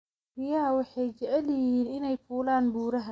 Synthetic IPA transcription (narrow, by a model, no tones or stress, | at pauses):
rɪjaːwɑħɛjd͡ʒɛʔɛlɪjɪhiːnɪnɛjfuːlaːnbuːɾɐɦɐ